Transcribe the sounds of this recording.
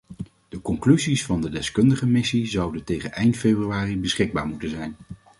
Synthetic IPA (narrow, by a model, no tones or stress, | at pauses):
d̥əkɔŋklyzisfɑndədɛskɵndəχəmɪsizɑwdəntejχənʔɛjntfejbryaːribəsχɪɡ̚baːɹmutənzɛjn